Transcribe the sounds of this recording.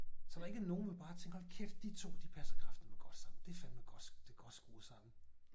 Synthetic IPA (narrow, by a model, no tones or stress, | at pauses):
sɒd̥ɑ̈e̝ɡ̥əno̝ːn̩ʋe̝b̥ɑ̈ːt͡sʰeŋɡ̥hɒlkʰefd̥it͡sʰo̝̰ːd̥ipʰæsɐkʰʁɑ̈fd̥n̩meɡ̥ɒ̽d̥sɑ̈mn̩d̥e̝fænd̥meɡ̥ɒd̥eɡ̥ɒ̽d̥sɡ̥o̝̰ːsɑ̈m̥n̩